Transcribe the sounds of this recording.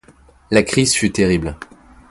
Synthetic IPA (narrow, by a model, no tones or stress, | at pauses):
lakχizfyt̪eʁibl